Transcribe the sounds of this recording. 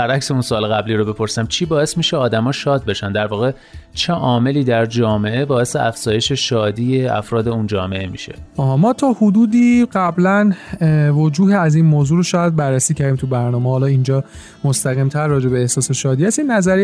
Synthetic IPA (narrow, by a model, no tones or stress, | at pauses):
bæɾʔækse̞unsoːleɣæbliːɾobepʰo̞ɾsæmt͡ʃʰiːbɒːe̞smiːʃeɒːd̪æmɒːʃɒːd̪̚be̞ʃænd̪æɾvɒːɣe̞ | t͡ʃʰe̞ʔɒːme̞liːd̪æɾd͡ʒɒːmeʔe̞bɒːe̞seʔæfz̥ɒːjeʃe̞ʃɒːd̪iːjeæ̰fɾɒːd̪e̞und͡ʒɒːme̞ʔemḭʃe̞̥̰ʔɒːɦmɒːt̪ʰɒːhud̪uːd̪iːɢæblænvod͡ʒuːɦeæziːnmoːzuːɾoʃɒːjæd̪̚bæɾːæsiːcʰæɾd̪iːmt̪ʰubæɾnɒːmehːlɒind͡ʒɒː | mo̞st̪æɣimt̪ʰæɾːɒːd͡ʒe̞beːhsɒːseʃɒːd̪iːhæst̪inːæzæɾi